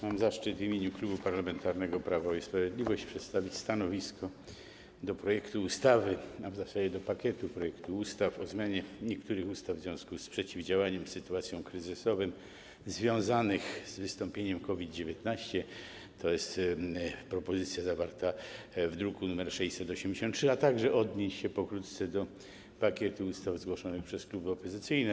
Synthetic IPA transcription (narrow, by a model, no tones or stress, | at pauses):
mamzaʂt͡ʂɘt̪vʲimʲjeɲuklubupaɾlamɛnt̪aɾnɛɡɔpɾavaɔispɾavʲjed̪lʲivɔɕt͡ɕpʂɛt̪st̪avʲit͡ɕst̪anɔvʲiskɔ | d̪ɔpɾɔjɛkt̪uːst̪avɘmavzasad͡ʑɛd̪ɔpakʲɛt̪upɾɔjɛkt̪uust̪afɔzmʲjaɲɛɲɛkt̪uɾɘxust̪avːzvʲɔ̃w̃skuspʂɛt͡ɕivd͡ʑawaɲɛmsɘt̪uat̪sʲjɔ̃w̃kɾɘzɘsɔvɨm | zvʲjɔ̃w̃zanɘxz̥vɘst̪ɔmpʲjeɲɛmkɔvʲid̪d͡ʑevʲjɛt̪naɕt͡ɕɛ | t̪ʰɔjɛst̪ | pɾɔpɔzɘt̪sʲjazavaɾt̪a | vd̪ɾukunumɛɾʂɛjsɛt̪ɔɕɛmd͡ʑeɕɔ̃nt̪t̪ːʂɨat̪aɡʐɛʔɔd̪ɲeɕɕɛpɔkɾut̪t̪sɛd̪ɔ | pakʲɛt̪uust̪avzɡwɔʂɔnɘxpʂɛsklubɘɔpɔzɘt̪sɘjnɛ